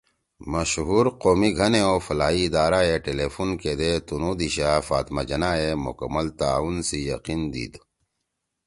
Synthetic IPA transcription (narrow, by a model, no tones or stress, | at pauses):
mɐɕɦuːɾqoːmiɡʱɐneofɐlaːiːd̪aːɾaeʈeleːfunked̪et̪unud̪iɕaːfa̰ːt̪mad͡ʑɐnaemʊ̰kə̰mːəlt̪aːunsijɐqiːnd̪ḭːd̪